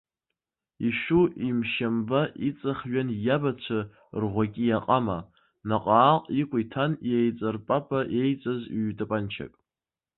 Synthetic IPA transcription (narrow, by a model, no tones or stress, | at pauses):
iʃuimʃambaʔit͡sʼaχɥanjabat͡ɕʷʰa | rʁʷakʲʼijaqʼama | naqʼaːqʼikʷʼʊitʰanjejt͡sʼarpʼapʰʼaʔe̞jt͡sʼaziɥtʼapʼant͡ʃʰa̰kʼ